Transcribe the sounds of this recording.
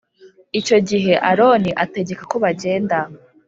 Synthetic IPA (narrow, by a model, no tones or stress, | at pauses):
it͡ʃo̞ɟiɦe̞ʔaɾo̞niʔate̞ɟe̞kakoβaɟe̞ːnda